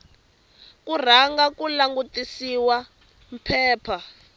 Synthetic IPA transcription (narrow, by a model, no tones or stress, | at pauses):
kur̤aŋɡakulaŋɡutisiwa | m̩pʰɛːpʰa